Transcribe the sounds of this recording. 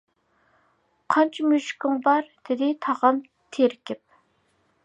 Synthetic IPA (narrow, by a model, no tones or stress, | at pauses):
qʰɑnt͡ʃʰimyʃkʲɪŋbɑɾd̪̥ɪd̪ɪt̪ʰɑʁɑn | t̪ʰeɾkʲʰɪp̚